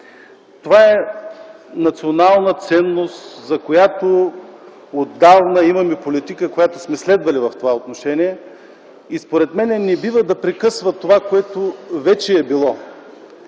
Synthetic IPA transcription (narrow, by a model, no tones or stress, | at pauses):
t̪ovaɛ | nɐt̪sionalˠnət̪sɛnːost̪zɐkojat̪o | od̪ːavnəimɐmipolit̪ikəkojat̪ʊsmɛslɛd̪vɐlivɐft̪ovaot̪noʃɛniɛ | ispoɾɛt̪mɛnɛnɛbivəd̪ɐpɾɛkɤsvɐt̪ovakoɛt̪ovɛt͡ʃɛːbilˠɔ